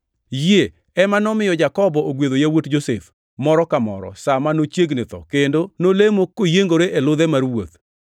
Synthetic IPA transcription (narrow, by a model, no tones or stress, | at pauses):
je | ɛmanɔmɪjɔd͡ʒakɔbɔʔoɡweðojawotd͡ʒosef | mɔɾɔkamɔ̰ɾɔ̰samanot͡ʃjeɡnɪt̪ɔ̰kendonolemokːojeŋɡoɾeʔelʊðɛmaɾwot̪̚